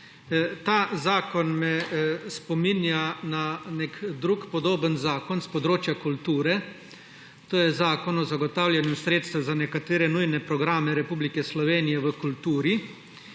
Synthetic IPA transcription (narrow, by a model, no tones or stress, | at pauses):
t̪aːzaːkɔnmɛspɔminjananekd̪ɾuːkpɔd̪oːbənzaːkɔnspɔd̪ɾoːt͡ʃjakult̪uːɾɛ | t̪oːjɛzaːkɔnɔzaɡɔt̪aːwlʲjanɛmsɾeːt̪st̪ʋɛzanɛkat̪eːɾɛnujnɛpɾɔɡɾaːmɛɾɛpuːblikɛslɔʋeːnijɛʋəkult̪uːɾi